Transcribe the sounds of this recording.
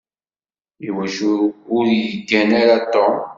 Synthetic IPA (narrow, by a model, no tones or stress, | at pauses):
iwæʃʊɾjjəɡːænaɾat̪ːo